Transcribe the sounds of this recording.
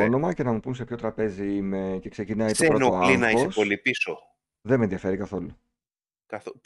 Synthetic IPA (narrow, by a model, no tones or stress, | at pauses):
ono̞mɐce̞nɐmupunsepço̞t̪ɾɐpe̞ziimece̞kse̞cinɐitsoenoolɐlŋinɐiosespo̞lipiso | ðemenðiɐfe̞ɾikɐθo̞lu | kɐθo